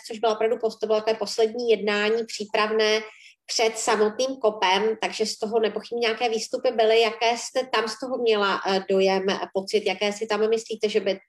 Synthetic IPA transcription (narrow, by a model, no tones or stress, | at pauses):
t͡soʒbɪlʔopɾavdupot̪obɪlot̪akovɛːpo̞slɛdɲiːjɛdnaːɲiːpr̥iːpɾavnɛː | pr̝̥ɛt̪samo̞t̪niːmko̞pɛmt̪aɡʒɛst̪o̞ɦo̞nɛpoxɪbɲiɲeakɛːviːst̪upɪbɪlɪjakɛːst̪ɛt̪amst̪o̞ɦomɲɛlado̞jɛmpo̞t͡sɪt̪jakɛːsɪt̪ammɪsliːt̪ɛʒɛbɪ